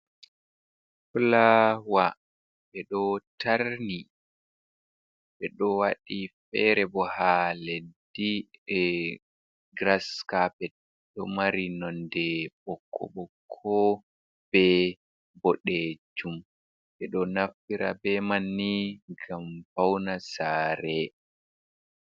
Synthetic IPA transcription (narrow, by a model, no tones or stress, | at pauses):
flawa | ɓɛɗɔtaɾni | ɓɛɗɔwaɗifɛɾɛbɔhaledːiɛ | ɡɾaskapɛt̚ | ɗɔmaɾinɔndɛɓɔkʰːɔ̰ɓɔkʰːɔ | b̥ɛ | bɔɗed͡ʒum | ɓɛɗɔnafiɾa̰bɛmanːiɡamfawnasaːɾɛ